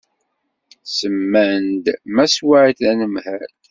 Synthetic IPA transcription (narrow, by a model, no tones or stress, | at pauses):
səmːænd̪mæswaʕiθænəmhæd̪